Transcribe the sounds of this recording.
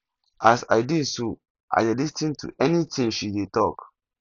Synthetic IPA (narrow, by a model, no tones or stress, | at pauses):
asa̰ɪdidso | ʔa̰jdɛlistĩntʰṵʔɛnitʰĩŋʃidetɔk